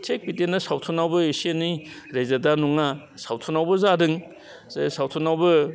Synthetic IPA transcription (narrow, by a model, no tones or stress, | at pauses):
tʰek̚pitenɐsawtʰunawbɐesienːiɾezadanuŋa | sawtʰunawbɐzadɯŋ | sawtʰunawbɐ